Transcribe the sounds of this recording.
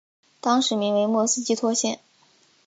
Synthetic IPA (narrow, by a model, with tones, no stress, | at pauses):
t̪ɑ˥ŋʂɻ̩˧˥mi˧˥ŋwe˧˥ɪmwɔ˥˩sɹ̩˥t͡ɕi˥˧t̪ʰwɔ˥ɕjɛ˥˩n